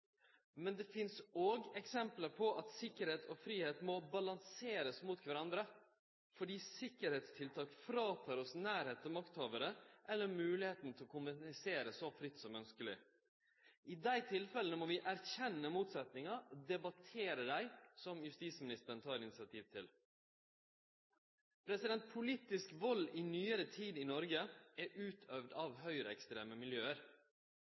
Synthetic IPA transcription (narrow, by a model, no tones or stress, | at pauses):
mɛnd̪ɛfɪnsoːɡɛksɛmpləɾpʰɔʔɑt̪sɪkːəɾheːt̪ʰɔfɾiːheːt̪mɔbɑlɑnseːɾəsmuːt̪kʰʋæɾɑnd̪ɾə | fɔɖiːsɪkːəɾheːt̪st̪ʰɪlt̪ʰɑːkfɾɑːt̪ʰɑːɾɔsnæːɾheːt̪ɔmɑkt̪hoːʋəɾəʔɛlːəɾmʉːlɪheːt̪n̩t̪ʰɪlɔkʰʊnʋɛɪseːɾəsɔfɾɪt̪ːsɔmœnskəlɪ̰ | ʔiːd̪æɪt̪ʰɪlfɛlənəmoːʋɪʔæɾçɛnːəmuːt̪sɛt̪nɪŋɑd̪ɛbɑt̪ʰeːɾəd̪æɪsɔmjʉst̪iːsmɪnɪst̪əɾəɳ̩t̪ʰɑːɾɪnɪsɪɑt̪ʰiːʋt̪ʰɪl | pʰɾɛsɪd̪ɛnt̪̚pʰʊliːt̪ɪskʋɔlːiːnyːəɾət̪ʰiːd̪inɔɾɡəæːʔʉːt̪ʰœʋd̪ɑʋhœʏɾəɛkst̪ɾeːməmɪljøːəɾ